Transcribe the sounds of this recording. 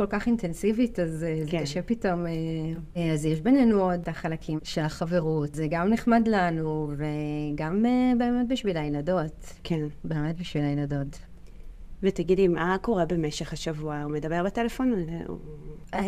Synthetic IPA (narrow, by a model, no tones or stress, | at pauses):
kolkaχintensivitazezekaʃepito̞meazjeʃbe̞nenuodaχalakʰimʃelaχaveʁutzeɡamneχmadlanuveɡamebeːmet̚biʃvilajnado̞t | kʰenbe̞ːmet̚biʃvilainado̞t | vetaɡidimʔako̞ʁebemeʃeχhaʃavuaume̞d̪abe̞ʁbatelefo̞n̰